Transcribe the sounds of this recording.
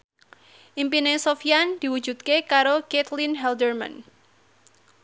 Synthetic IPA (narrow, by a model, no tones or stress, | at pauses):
ʔimpinesofiand̪̥i̤wud̥d͡ʒ̥ṳd̪̚kekaɾoket̪linɦɛld̪ərma̰n